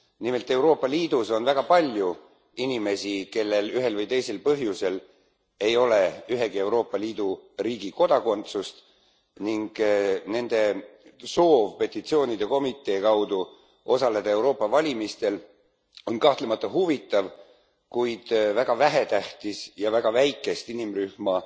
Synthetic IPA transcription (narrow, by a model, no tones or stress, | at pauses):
nime̞lt̪ːˑe̞wɾo̞ːpːˑɑliːd̪̥uso̞nvæɡ̥ɑpɑlʲju | inime̞sike̞lːe̞lyɦe̞lvɯjt̪e̞jse̞lpɤɦjuse̞l | e̞jo̞le̞yɦe̞ɡie̞wɾo̞ːpˑːɑliːd̪̥uɾiːɡiko̞d̪̥ɑko̞nt̪sust̪ | niŋɡ̥ne̞nd̪̥e̞so̞ːvpe̞t̪ːˑit̪sio̞ːnid̪̥e̞ko̞mit̪ːˑe̞ːkɑwd̪̥u | ʔo̞sɑle̞d̪̥ɑe̞wɾo̞ːpˑːɑvɑlʲimist̪e̞l | o̞nkɑht̪le̞mɑt̪ːˑɑɦuvit̪ˑːɑv | kujd̪̥væɡ̥ɑvæɦe̞t̪æht̪isjɑvæɡ̥ɑvæjkːˑe̞st̪inimryhmɑ